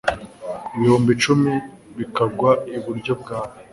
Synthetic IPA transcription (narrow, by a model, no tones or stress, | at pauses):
iβihuːmbit͡ʃumi | βikaɡwaiβuɾɟo̞b̚ɡaːha